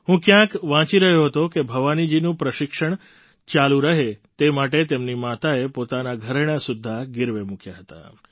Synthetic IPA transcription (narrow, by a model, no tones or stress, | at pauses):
ɦũkjãkʋãt͡ʃiɾəɦjoɦət̪okebʱəʋanid͡ʒinũpɾəʃɪkʂəɳ | t͡ʃalũɾəɦet̪emaʈet̪emnimat̪aepot̪anaɡʱəɾeɽ̃asud̪ʱːaɡɪɾʋemukjaɦət̪a̰